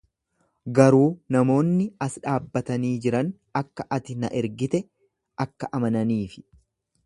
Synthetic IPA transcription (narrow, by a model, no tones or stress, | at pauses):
ɡɐɾuːnɐmo̞ːnːɪɐsᶑaːbːɐt̪ɐniːd͡ʒɪɾɐn | ɐkːɐʔɐt̪ɪnɐ̰ʔɛɾɡɪt̪ɛ | ʔɐkːɐʔɐmɐnɐniːfɪ̥